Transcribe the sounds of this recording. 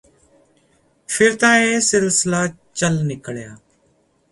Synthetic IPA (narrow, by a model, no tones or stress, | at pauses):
fʰɪɾt̪ãːeːsɪlsɪlaː | t͡ʃəlnɪkɭjaː